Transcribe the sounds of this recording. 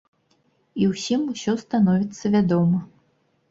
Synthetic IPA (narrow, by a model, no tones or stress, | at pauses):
iwsʲimusʲɔst̪anɔvʲit̪sːɐvʲad̪ɔmɐ